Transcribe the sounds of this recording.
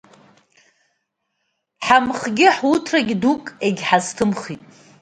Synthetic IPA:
ħamχɡʲɪħwutʰraɡʲdukʼeɡʲħaztʰɨmχitʼ

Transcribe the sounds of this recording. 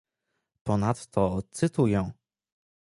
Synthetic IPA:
pɔnat̪t̪ɔtt̪sɘt̪ujɛ̃

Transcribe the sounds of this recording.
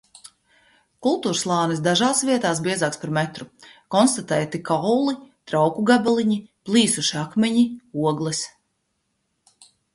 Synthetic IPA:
kulˠt̪uːɾslˠaːnɛsd̪aʒaːsvʲiɛt̪aːsbʲiɛzaːkspaɾmɛt̪ɾukɔnst̪at̪ɛːjt̪ikawlˠit̪ɾawkuɡabɛlˠiɲiplˠiːsuʃiakmʲɛɲiuɔɡlˠɛs

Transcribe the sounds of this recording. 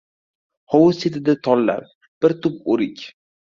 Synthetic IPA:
howset̪ɪd̪at̪ʰɒlːa̰ɾ | b̥ɪɾt̪ʊp̚oɾɪkʲ

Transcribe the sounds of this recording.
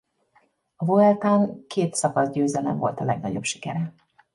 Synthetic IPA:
ɒvoɛlt̪aːŋkʰeːt̪sɒkɒzɟøːzɛlɛ̰ɱvo̞lt̪ɒlɛɡnɒɟo̞bʃi̥kɛɾɛ

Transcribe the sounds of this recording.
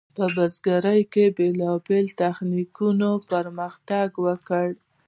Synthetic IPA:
pəbazɡaɾəjkebelɑbelt̪axnikunopəɾməxt̪aɡwəkəɽ

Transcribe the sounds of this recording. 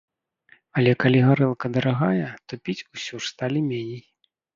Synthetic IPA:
ɐlʲɛkalʲiɣaɾɛlˠkɐd̪ɐɾaɣajɛt̪ɔpʲit͡sʲusʲɔʂst̪alʲimʲenʲej

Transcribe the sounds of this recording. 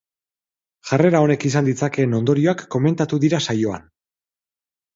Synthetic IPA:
ʝare̞ɾao̞ne̞kisand̪it͡sake̞ːno̞nd̪o̞ɾio̞akːo̞me̞nt̪at̪uðiɾasajo̞a̰n

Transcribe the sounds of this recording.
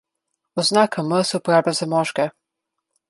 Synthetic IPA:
ɔznakaməsɛwpɔɾaːblʲazamɔʒkɛ

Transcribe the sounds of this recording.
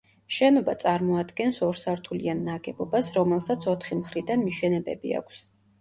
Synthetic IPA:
ʃɛnɔbat̪sʼaɾmɔad̪ɡɛnsɔɾsaɾt̪ʰulianːaɡɛbɔbasɾɔmɛlˠsat̪sʰɔt̪ʰχimχɾid̪anmiʃɛnɛbɛ̰bḭa̰kʷʰs

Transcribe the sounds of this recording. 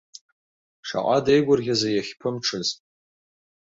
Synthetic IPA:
ʂa̰qʼadejɡʷʊrɡʲazajaχʲpʰɨmʈ͡ʂʰɨz

